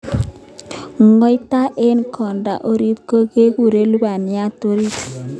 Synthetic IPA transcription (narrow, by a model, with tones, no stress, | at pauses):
ŋɔ˦jt̪a˦ʔe˦nkʰɔ˨nɖa̰˦ʔo˦ɾi˦t̪kə˦ɡe˦ɡu˨ɾe˦lu˦ba˨nija˦t̪o˦ɾi˦t